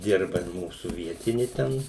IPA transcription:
ˈdʲɪrbɐ ɪr ˈmuːsuː ˈʋʲiɛtʲɪnʲɪ ˈtʲɛn

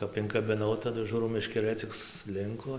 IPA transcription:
ˈkɐp ɪŋkɐbʲɪˈnɐʊ tɐˈdʊ ˈʒuːrɐʊ mʲɛʃʲkʲɛˈrɘ t͡sʲɪk sʊˈlʲɪŋkoː

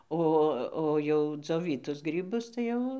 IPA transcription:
ˈoː oː jɛʊ d͡zʲoːˈʋʲiːtʊs ˈɡrʲiːbʊs tɐɪ ˈjɛʊ

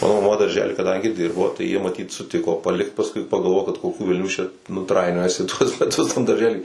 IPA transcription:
ˈmɑːnoː mɐˈmɐ dɐrʲˈʒʲæːlʲiː kɐˈdɐŋʲɡʲɪ ˈdʲɪrboː jiɛ mɐˈtʲiːt sʊˈtʲɪkoː pɐˈlʲɪkt pɐsˈkʊɪ pɐɡɐlˠˈʋoːjoː kɐt koːˈkʲuː ʋʲɛlʲˈnʲuː t͡ʃʲɛ nʊ ˈtrɐɪnʲoːjɛsʲɪ tuɔs mʲɛˈtʊs tɐm dɐrʲˈʒʲæːlʲiː

